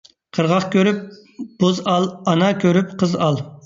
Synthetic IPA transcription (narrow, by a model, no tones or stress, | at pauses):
qʰəɾʁɑχkʲøɾyp̚ | b̥ozɑlˠɑnɑkʲʰøɾyp̚qʰəzɑlˠ